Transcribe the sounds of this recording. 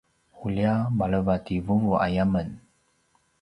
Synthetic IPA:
huliamaləvativuŋuʔa̰jamən

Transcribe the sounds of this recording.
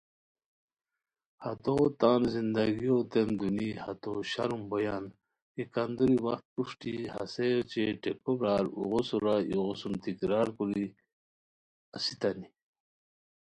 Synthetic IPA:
hat̪ot̪aːnzind̪aɡiot̪emd̪uniha̰t̪oɕa̰ɾumbɐjan | ikand̪uɾiwɐxt̪̚puʂʈiha̰set͡ɕeʈekoɾaːɾṵʁosuɾaiɣosumt̪ikɾaːɾkuɾi | asit̪ani

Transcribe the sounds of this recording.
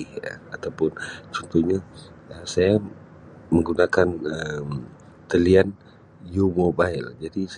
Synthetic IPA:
ə̰at̪awpʊnt͡ʃɔnt̪ɔhɲa | əsaja | məŋɡunakanəm | t̪əlian | jumobaild͡ʒadis

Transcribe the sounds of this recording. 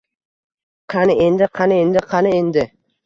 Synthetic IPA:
qʰɑnɪend̪ɪqʰɑnɪend̪ɪqʰɑnɪend̪ɪ

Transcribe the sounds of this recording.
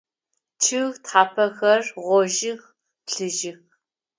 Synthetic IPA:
t͡ʃʰɨɣtħaːpʰɐxɐrʁʷɔʒɪx | pɬɨʒɪx

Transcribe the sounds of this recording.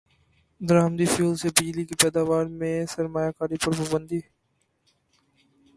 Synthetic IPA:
d̪əɾaːmd̪ifuːlsebɪd͡ʒlikipɛːd̪aːʋaːɾmẽsɐɾmaːjakaːɾipɐɾpɐbə̃nd̪iː

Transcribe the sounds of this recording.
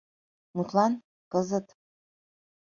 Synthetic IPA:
mutʰlan | kʼəzɨtʰʼ

